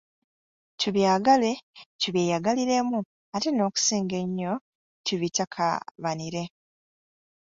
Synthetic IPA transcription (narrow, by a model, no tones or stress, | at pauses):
tuβjaːɡale̞tuβjeːjaɡaliɾe̞mu | ateno̞ːku̥siːŋɡe̞ɲːo̞ | tiβitakʰa̰βaniɾe̞